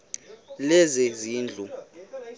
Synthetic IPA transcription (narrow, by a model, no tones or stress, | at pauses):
lɛzɛziːnd͡ɮʱu